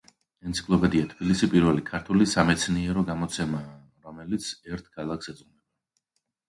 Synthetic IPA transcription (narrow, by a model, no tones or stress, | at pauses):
ɛnt̪sʰi̥kʰʼlˠɔpɛd̪iat̪ʰb̥ilisipʼiɾvɛlikʰaɾt̪ʰulisamɛt̪sʰniɛɾɔɡamɔt̪sʰɛma | ɾɔmɛlit̪sʰɛɾt̪ʰkʰalˠaksɛd̪zʼʁunɛba